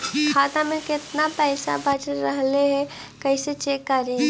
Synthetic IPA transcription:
kʰaːt̪amẽkɪt̪napɛːsa̰bʱɐd͡ʒɾɐɦleɦɛ | kɐiset͡ʃeːkːɐɾĩ

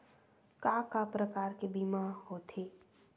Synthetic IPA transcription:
kaːkapɾəkaːɾkebimahot̪ʰeː

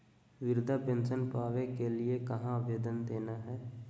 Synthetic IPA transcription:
ʋɪɾd̪ʱapẽːnsʃənpaːʋekelɪekɐɦãəʋeːd̪ənd̪eːnaɦɛː

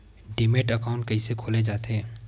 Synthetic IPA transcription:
ɖemeːʈəkaːʊ̃ɳʈ̚kɐisekʰoːled͡ʒaːt̪eː

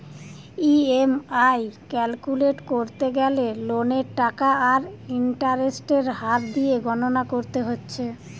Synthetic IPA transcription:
iemajkɛlkuleʈkoɾt̪eɡɛleloneɾʈakaaɾiɳʈaɾesʈeɾɦaɾd̪ieɡʱɔnonakoɾt̪eɦotːɕʰe

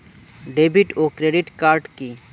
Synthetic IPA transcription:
ɖebʱiʈokɾeɖiʈkaɾɖki

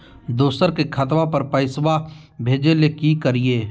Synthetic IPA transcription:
d̪oːsəɾkekʰɐt̪ʋapɐɾpəɪswa | bʱeːd͡ʒelekikəɾieː

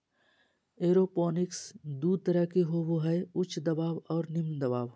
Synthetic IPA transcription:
eːɾopɔːnɪksd̪uːd̪̚t̪əɾəkeɦoːboɦɛeʊt͡ʃʰd̪ɐbaːwɔːɾnɪmd̪ɐbaːʋ

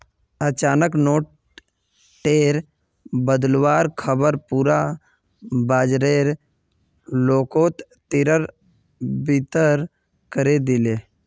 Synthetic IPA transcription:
ət͡ʃaːnəknoːʈ̚ | ʈeːɾ | bəd̪lwaːɾkʰəbəɾpuːɾa | baːd͡ʒɾeːɾ | loːkoːt̪ | t̪ɪɾəɾ | bit̪əɾ | kəɾed̪ɪleː

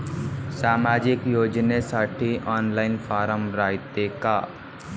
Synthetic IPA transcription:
saːmaːd͡ʒɪkjoːd͡ʒnesaːʈʰiʔɔːnlaːɪnfʰaːɾəmɾaːit̪eka

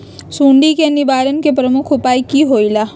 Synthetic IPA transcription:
sũːɳɖikenɪʋaːɾənkepɾəmʊkʰʊpaːikiɦoːilaː

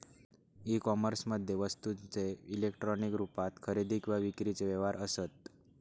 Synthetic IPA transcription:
ikɔməɾsməd̪ʱjeʋəst̪ut͡ʃeilekʈɾɔnikɾupat̪kʰəɾed̪ʱikʋaʋikɾit͡ʃeʋɛʋaɾʔəsət̪̚

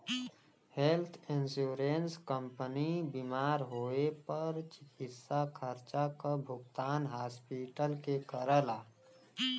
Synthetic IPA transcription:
helt̪ʰɪ̃nsuːɾenskəmpənibimaːɾɦoːepəɾt͡ʃɪkɪt̪sakʰəɾt͡ʃakabʱʊɡt̪aːnɦaːspiːʈəlkekəɾəlaː

